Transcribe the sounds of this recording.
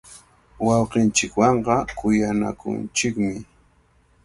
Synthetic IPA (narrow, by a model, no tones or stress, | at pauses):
wɑwqɪnt͡ʃɪkwɑɴɢɑkʊjana̰kʊ̰nt͡ʃɪkmɪ